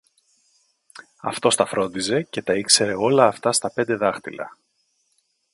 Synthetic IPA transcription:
ɐ̰ft̪o̞st̪ɐfɾo̞nd̪ize̞ce̞t̪ɐikse̞ɾe̞o̞lɐːft̪ɐst̪ɐpe̞nd̪e̞ðɐxt̪ilɐ̰

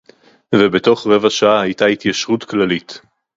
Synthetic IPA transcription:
vebeto̞χʁe̞vaʃaahajtait̪jaʃʁutklalit

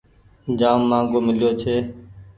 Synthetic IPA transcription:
d͡ʒaːmːãːŋɡoːmɪlɪjoːt͡ʃʰeː

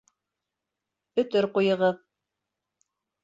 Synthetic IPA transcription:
ɵ̆t̪ɵɾqujɤ̆ʁɤð

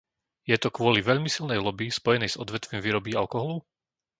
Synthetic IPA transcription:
jɛt̪ɔkwʊɔliʋɛʎmisilnɛjlɔbispɔjɛnɛjz̥ɔd̪ʋɛt̪ʋimviːɾɔbiːalkɔɦɔlu

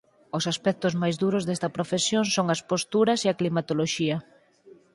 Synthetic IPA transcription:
osaspɛk̚t̪ʊzmajzduɾʊzðest̪ɐpɾofesjoŋsoŋɐspost̪uɾɐseɐklimat̪oloʃiɐ

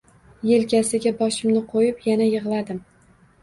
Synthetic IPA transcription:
jelkʲasɪɡʲabɒʃɪmnɪqʰojɪpjanajɨʁlˠad̪ɪm

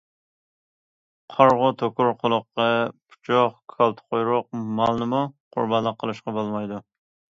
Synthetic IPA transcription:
qʰɑɾʁʊt̪ʰokʊɾqʰʊlˠʊqːɑpʰu̥t͡ʃʰɑχkʰɑlˠt̪ʰqʰojɾʊq̚mɑlˠnɨmuqʰʊ̰ɾbɑnlˠəqʰːəlˠuʃqɑbolˠmɑjd̪u

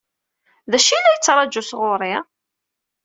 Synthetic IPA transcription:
ðæʃinæjət͡sːɾˤɑd͡ʒusʁʊɾˤi

